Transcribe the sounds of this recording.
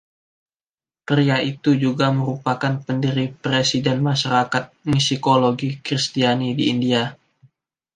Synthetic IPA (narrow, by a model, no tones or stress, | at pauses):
kəɾiait̪ud͡ʒuɡaməɾupakanpəndiɾipɾesidɛnmaʃaɾakat̪̚misikoloɡikɾist̪ianidiːndia